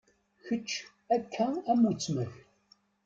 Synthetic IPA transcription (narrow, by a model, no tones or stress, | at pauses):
çət͡ʃː | ækʰːææmut͡sməɣ